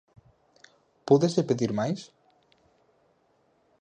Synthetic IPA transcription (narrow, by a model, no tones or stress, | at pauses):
puðezðepeðiɾmajs